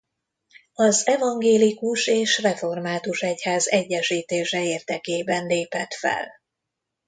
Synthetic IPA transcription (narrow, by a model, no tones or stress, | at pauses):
ɒzɛvɒŋɡeːlikuʃeːʃrɛfo̞rmaːt̪uʃɛchaːzɛɟːɛʃiːt̪eːʃɛeːrd̪ɛkeːbɛnleːpɛt̪fɛ̰l